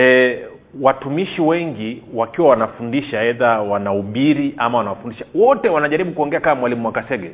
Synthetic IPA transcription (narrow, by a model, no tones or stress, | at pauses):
ɛ | watumiʃiwɛŋɡiwakiwawanafundiʃaɛðawanauɓiɾiʔamawanawafundiʃawɔtɛwanaʄaɾiɓukuɔŋɡɛakamwalimumwakasɛɡɛ